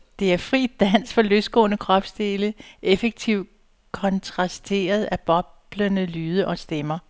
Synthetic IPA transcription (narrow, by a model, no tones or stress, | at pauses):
d̥e̝æɐfʁḭːd̥æn̰sfɒ̽løsɡ̥ɔ̰̽ːnəkʰʁɒ̽b̥sd̥e̝ːləʔefəɡ̥̚t͡sʰiʊ̰̥ | kʰɒ̽nt͡sʰʁɑ̈sd̥e̝̰ːɐð̞ˠæb̥ɒ̽b̥lənəlyːð̞ˠəʔɒ̽sd̥emɐ